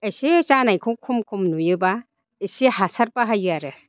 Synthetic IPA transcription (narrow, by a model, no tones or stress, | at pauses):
esit͡ʃanajkʰɯwkʰumkʰumnujɯba | ejsihasaɾpaɦajɯaɾɯ